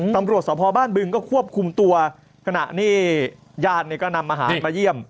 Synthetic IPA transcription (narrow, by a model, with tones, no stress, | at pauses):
t̪a˧mɾu˨˩ət̪̚sɔː˩˦˥pʰɔː˧baː˥˩nbɯ˧ŋkɔː˥˩kʰu˥˩əp̚kʰu˧mt̪u˧ɐ | kʰa˧na̰˨˩ʔniː˥˩ | jaː˥˩t̪̚niː˥˩kɔː˥˩na˧mʔa˧ɦa̰ː˩˨˦nmaː˧ji˥˩əm